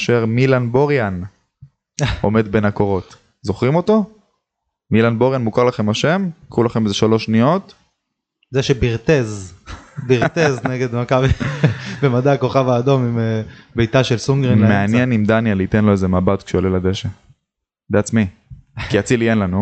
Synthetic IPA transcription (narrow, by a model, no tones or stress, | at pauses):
aʃeʁmilanbo̞ʁjan | o̞̰me̞d̪be̞nako̞ʁo̞t̪ | zo̞χʁimo̞t̪o̞ | milanbo̞ʁjanmukaʁlaχe̞mhaʃe̞mkʁulaχe̞mezeʃalo̞ʃnijo̞t̪ | zeʃebiʁt̪ez | biʁt̪ezneɡed̪makavibemad̪aːko̞χavaːd̪o̞mimebejt̪aʃelsuŋɡʁimeanjenimd̪anjalit̪e̞nlo̞ezemabat̪kʃeolelad̪eʃe | beat͡smi | kiat͡silijenlanu